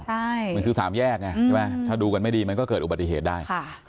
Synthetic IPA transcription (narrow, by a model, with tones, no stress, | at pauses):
t͡ɕʰa˥˩jm˧kʰɯː˧saː˩˦mjɛː˥˩k̚na˧˩t͡ɕʰɛ˥˩ma˦˥˩t̪ʰaː˥˩duː˧ka˧nma˥˩jdiː˧ma˧nkɔː˥˩kɤː˨˩t̪ʔu˨˩ba˨t̪ːi˨ɦeː˨˩t̪̚daː˥˩jʰa˥˩